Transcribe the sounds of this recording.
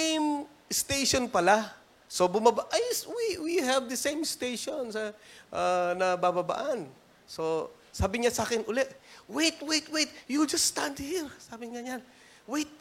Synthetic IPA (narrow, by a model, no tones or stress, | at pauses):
jm | st̪eʃonpɐla | sobʊmabaʔajswiwihɛvd̪ɐsẽjmst̪ejʃonsɐʔanɐbabɐba̰ʔan | so | saːbɪɲasaːkɪnʔʊlɛʔwejt̪wejt̪wet̪̚juld͡ʒɐsːt̪ãnd̪̚hiɹsaːbɪŋaɲan | wejt̪̚